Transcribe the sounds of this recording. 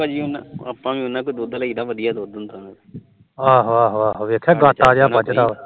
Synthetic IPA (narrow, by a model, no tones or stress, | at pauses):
ad͡ʒiːʊna̰aːpːãːʋĩːʊnːãːkod̪oːd̪alaiːd̪aːʋəd̪ijaːd̪oːd̪ənt̪ana | aːɦaːɦaːɦoːʋeːkʰɛːɡatːaːɾaːpət͡ʃt̪aː